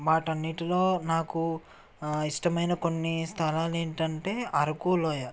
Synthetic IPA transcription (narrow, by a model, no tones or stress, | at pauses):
ʋaːʈɐnːiʈiloːnaːku | iʂʈɐmɐjnɐko̞nːist̪ʰɐlaːle̞ːɳʈɐɳʈeːʔɐɾɐkuːlɔːja